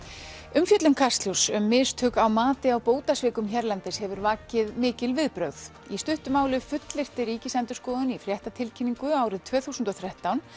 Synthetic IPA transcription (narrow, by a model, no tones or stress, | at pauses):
ʏmfjœt̪lʏmkʰast̪ljowsʏmːɪːst̪ʰʏːkawmaːt̪ɪawpoːwt̪asvɪːkʏmçɛɾlant̪ɪshɛvʏɾvaːcɪðmɪːcɪlvɪðpɾœɥð | ist̪ʏht̪ʏmaːwlɪfʏt̪lɪr̥t̪ɪɾiːcɪsɛnt̪ʏ̥skɔːðʏnifɾjɛht̪at̪ʰɪlcʰɪniŋkʏaːwɾɪðt̪ʰvɛːθusnt̪ɔθɾɛht̪awn